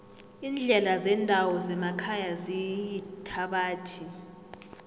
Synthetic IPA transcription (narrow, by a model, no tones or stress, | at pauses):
ind͡ɮʱɛlazɛndʱawɔzɛmakʰajazijitʰaɓaːtʰi